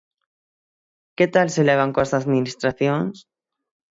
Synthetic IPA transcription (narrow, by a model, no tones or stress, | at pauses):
ket̪alseleβ̞aŋkwesaðmĩnist̪ɾaθjoŋs